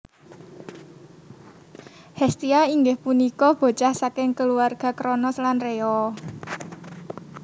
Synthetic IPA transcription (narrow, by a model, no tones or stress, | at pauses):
hɛst̪iaiŋɡɪhpunikɔb̥o̤t͡ʃahsakɪŋkəluarɡ̥a̤kɾɔnɔslanreɔ